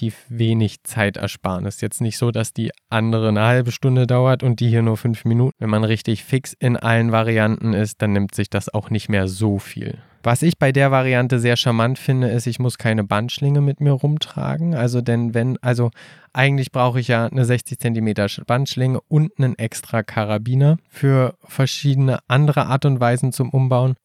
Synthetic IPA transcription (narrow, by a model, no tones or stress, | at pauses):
tiːfveːnɪçt͡saɪtʔɛ̰ɐʃpa̰ːʁənɛstjɛt͡stnɪçtz̥oːdasd̥ḭːʔandəʁ̞ənəhalbəʃtʊndədaʊɐtʊnt̚d̥iːhiːɐnuːɐfʏnfminuːtn̩vɛnmanʁɪçtɪçfɪksɪnʔa̰lənvaʁ̞iantn̩ɪst̚d̥anːɪmtz̥ɪçd̥asa̰ʊxnɪçtmeːɐzoːfḭːl | vasɪçb̥aɪdeːɐvaʁ̞iantəzeːɐʃamantfɪndəɪstɪçmʊskʰaɪnəbantʃlɪŋəmɪtmiːɐʁʊmtʁ̥a̰ːɡŋ̩ʔalzodɛnvɛnʔalzoʔaɪɡŋ̩tlɪçb̥ʁaʊxəɪçjaːnəzɛçt͡sɪçt͡sɛntimeːtɐb̥antʃlɪŋəʔʊntnənʔɛkstʁ̥akʰaʁabiːnafyːɐ | fɛɐʃiːdənəʔandəʁ̞əʔaːɐtʊntv̥aɪzn̩t͡sʊmʔʊmbaʊən